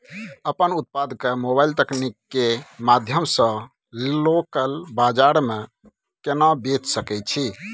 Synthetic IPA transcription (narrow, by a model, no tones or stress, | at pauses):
əpənut̪̚pad̪kemobailt̪əknikːemad̪ʱjəmsə̃ | lokəlbad͡ʒaɾme | kenabet͡ʃsəkɛt͡ʃʰi